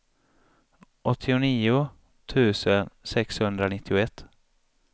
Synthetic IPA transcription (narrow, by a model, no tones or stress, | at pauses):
ʔɔt̪ʰːɪʊniːʊ | t̪ʰʉ̟ːsənsɛkshɵnd̪ɾanɪt̪ʰːɪʊɛt̪ː